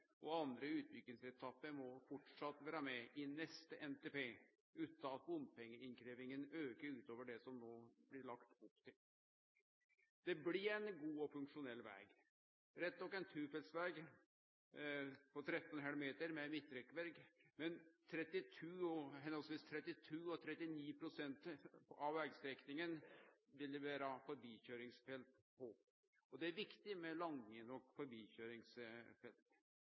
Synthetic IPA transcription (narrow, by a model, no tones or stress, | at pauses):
ʔɔɑnd̪ɾəʉːt̪̚bʏk̪ːɪŋsɛt̪ʰɑpːəɾmɔfɔʈʂɑt̪ːʋæːɾəmɛʔɪnɛst̪əʔɛnt̪eːpeː | ʉːt̪ɑɑt̪ʋʊnpʰɛŋːəɪnkʰɾeːʋɪŋənøːkəɾʉːt̪oːʋəɖɛsɔmnoːblɪɭɑkt̪ʊpːt̪ʰɪl | d̪̥ɛblɪɾænɡuːɔfʉŋkʂʊnɛlːʋɛ̰ːɡ | ɾɛt̪ːɔkːæɪnt̪ʰʉːfɛlsʋæːɡ | pʰɔt̪ʰɾɛt̪ːɔnɦɛlmeːt̪əɾmɛmɪt̪ːɾɛkːʋɛɾɡmɛnt̪ʰɾɛt̪ːɪt̪ʰʉːɔɦɛnɔlsʋiːst̪ʰɾɛt̪ːɪt̪ʰʉːɔt̪ʰɾɛt̪ːɪniːpʰɾʊsɛnt̪ɑʋæːɡst̪ɾɛknɪŋənʋɪlːəʋæːɾəɑfɔɾbiːçøːɾɪŋsfɛlt̪ | pʰɔ | ɔd̪ɛæɾʋɪkt̪ɪmɛlɑŋənɔkfɔɾbiːçøːɾɪŋsfɛlt̪